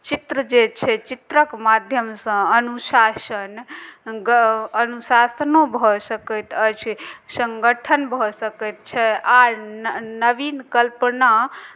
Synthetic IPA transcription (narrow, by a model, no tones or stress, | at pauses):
t͡ʃit̪ɾəd͡ʒet͡ʃʰɛt͡ʃit̪ɾəkmad̪ʱjəmsə̃ənusasənɡəənusasənobʱɔsəkət̪ət͡ʃʰsə̃ŋɡəʈʰənbʱɔsəkɛt̪̚t͡ʃʰɛaɾnəʋinkəlpna